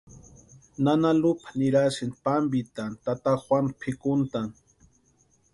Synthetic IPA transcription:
nanalʊpḁniɾasinpambit̪ant̪at̪axwanpʰɪkʊnt̪an

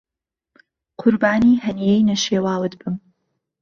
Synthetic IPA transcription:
qʰʊɾbaːniːhɐnijejnɐʃeːwaːwɨt̪bɨm

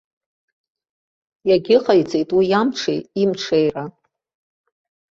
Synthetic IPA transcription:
jaɡʲɪqʼajt͡sʼejtʼwijamʈ͡ʂʰḛjimʈ͡ʂʰejra

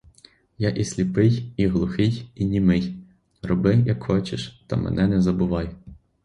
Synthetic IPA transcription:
jɑʔisʲlʲipɪjiɦlˠʊxɪjinʲimɪj | rɔbɪjɐkxɔt͡ʃɪʃt̪ɐ̰mɛ̰nɛnɛzɐbʊʋɑj

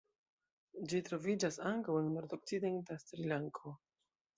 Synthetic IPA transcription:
d͡ʒitɾo̞vid͡ʒasaŋkawenno̞ɾto̞k̚t͡side̞ntastɾilaŋkʰo̞

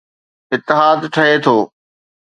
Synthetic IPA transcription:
ɪt̪ːɪɦaːd̪ʈʰɐɦet̪ʰoː

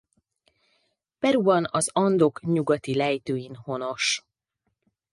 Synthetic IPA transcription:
pɛɾubɒnɒzɒnd̪o̞kɲuɡɒt̪ilɛjt̪øːjinho̞no̞ʃ

